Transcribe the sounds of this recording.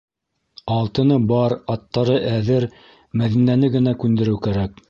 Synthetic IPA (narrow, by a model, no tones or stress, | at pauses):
ɑlˠt̪ɤ̆nɤbɑɾɑt̪ːɑɾɤʔæðɘɾ | mæðinænɘɡɘ̆nækʉnd̪ɘ̆ɾɘwkæɾæk̚